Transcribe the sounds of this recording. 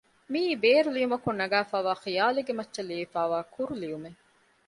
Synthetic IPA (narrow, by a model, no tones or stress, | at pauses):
miːbeːɾulijumɐkunːɐɡæːfaːʋaːχijaːleɡemɐtːʃɐliifaːʋaːkuɾulijume